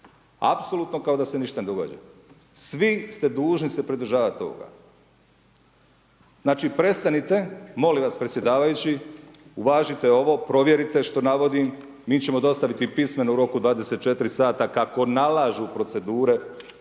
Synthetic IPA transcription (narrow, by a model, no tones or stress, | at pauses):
a̰pso̞lˠut̪no̞kao̞d̪ase̞niʃt̪ane̞d̪o̞ɡa̰ːd͡ʑa̰ | sʋist̪e̞d̪uːʒnise̞pɾid̪ɾ̩ʒaːʋat̪o̞ːɡa̰ | znaːt͡ʃipɾe̞st̪anit̪e̞mo̞limʋaspɾet̪sʲje̞d̪aːʋajut͡ɕi | uʋaːʒit̪e̞o̞ʋo̞pɾo̞ʋjeɾit̪e̞ʃt̪o̞naʋo̞d̪im | miːt͡ɕe̞mo̞d̪o̞st̪aʋit̪ipisme̞nuuɾo̞kud̪ʋaːd̪eset̪̚t͡ʃe̞t̪iɾisaːt̪akako̞nalaːʒupɾo̞t̪se̞d̪uːɾe̞